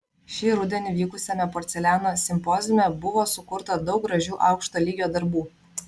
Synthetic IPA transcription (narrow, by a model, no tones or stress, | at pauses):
ʃʲiːɾʊd̪ʲɛnʲɪʋʲiːkʊsʲɛmʲɛpɔːɾʲt̪sʲɛlʲæːnoːsʲɪmpɔzʲɪmʲɛbʊʋoːsʊkʊɾt̪ɐd̪ɒʊk̚ɡɾɐʒʲuːʔɑʊkʃt̪oːlʲiːɡʲjoːd̪ɐɾbuː